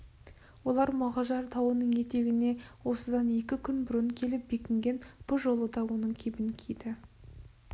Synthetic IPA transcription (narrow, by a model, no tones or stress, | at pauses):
wo̞lˠɑɾmɑʁɑʒɑɾt̪ʰɑwənəɴje̞t̪e̞ɡʲɪne̞wo̞səd̪ɑne̞kʲɪkʲʰʏnbʊɾəɴkʲʰe̞lɪp̚be̞kʲɪŋɡʲe̞nb̥ʊʒo̞lˠəd̪ɑwonəɴkʲʰebɪŋkʲʰijd̪ɪ